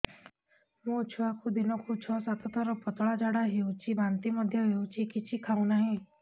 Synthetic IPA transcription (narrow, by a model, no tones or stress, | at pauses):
mũt͡ʃʰuakʰud̪inɔkʰut͡ʃʰɔsat̪ɔt̪ɔɾɔpɔt̪ɔɭad͡ʒaɽaɦeũt͡ʃʰibant̪imɔd̪ʱjɔɦeũt͡ʃʰikit͡ʃʰikʰaũnaɦĩ